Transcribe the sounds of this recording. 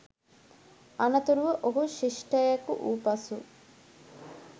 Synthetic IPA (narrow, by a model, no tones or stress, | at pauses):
ɐnɐt̪uɾuʋəʔoɦuʃiʂʈɐjɐkṵʔuːpɐsu